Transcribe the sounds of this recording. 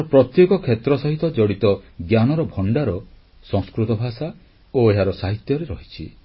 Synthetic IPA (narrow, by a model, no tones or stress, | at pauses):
ɾɔpɾɔt̪jekɔkʰet̪ɾɔsɔɦit̪ɔd͡ʒɔɽit̪ɔɡjanɔɾɔbʱɔɳɖaɾɔ | sɔ̃ŋskɾut̪ɔbʱasa | oeɦaɾɔsaɦit̪jɔɾeɾɔɦit͡ʃʰḭ